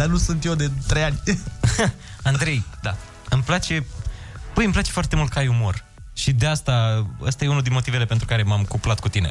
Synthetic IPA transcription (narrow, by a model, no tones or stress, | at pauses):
d̪anusunt̪jed̪et̪ɾejanʲ | and̪ɾe̞jd̪a | ɨmplat͡ʃe̞ | pəjɨmplat͡ʃe̞foart̪e̞mult̪̚kəajumo̞r | ʃid̪east̪aə̰st̪ajeunuld̪inmo̞t̪ivele̞pe̞nt̪ɾukaɾe̞mamkuplat̪̚kut̪ine̞